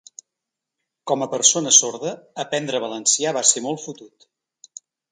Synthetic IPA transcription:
kɔməpəɾsonəsoɾðəːpɛnd̪ɾəβ̞ələnsiaβasemolˠfut̪ut̪

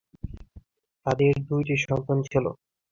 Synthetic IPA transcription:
t̪ad̪eɾd̪ujʈiʃɔnt̪ant͡ɕʰilo̰

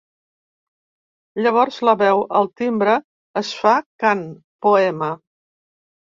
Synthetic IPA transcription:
ʎəβ̞ɔɾzləβɛwəlˠt̪imbɾəː | sfakan | puɛmə

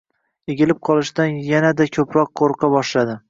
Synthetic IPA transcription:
eɡʲɪlɪp̚qʰɒlˠɪʃd̪anjanad̪akʲʰɵpɾɒqʰːoɾqʰɑbɒʃlad̪ɪ

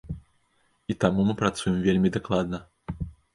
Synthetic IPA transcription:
it̪amumɨpɾat̪sujɛmvʲelʲmʲid̪aklˠad̪nɐ

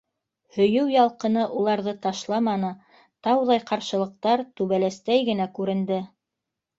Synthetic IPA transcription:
hɵ̆jɵwjɑlˠqɤ̆nɤʔulˠɑɾðɤt̪ɑʃlˠɑmɑnɤ | t̪ɑwðɑjqɑɾʃɤ̆lˠɤ̆q̚t̪ɑɾt̪ʉβælæst̪æjɡɘ̆nækʉɾɘ̆nd̪ɘ

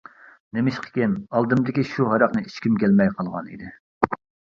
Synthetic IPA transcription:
nemɪʃqʰə̥kʲɪnɑlˠd̪ɨmd̪ɪkʲiʃuɦɑɾɑqnɨit͡ʃkʲimkʲælmɛjqʰɑlˠʁɑ̰nḭd̪ɪ

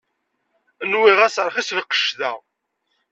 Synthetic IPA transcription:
ənwiʁæsɾˤχislqə̥ʃðæ

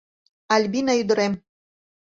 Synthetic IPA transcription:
alʲbinayd̪ɤ̆ɾem

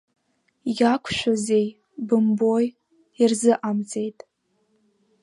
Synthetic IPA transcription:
jakʷʰʃʷᶣaze̞j | bɨmbo̞j | irzɨʔamt͡sʼe̞jtʼ

